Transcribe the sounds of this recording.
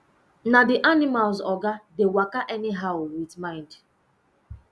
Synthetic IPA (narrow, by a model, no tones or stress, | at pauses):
nadiʔanimalzɔɡadewakaʔɛniɦaʊwitmãɪ̃nd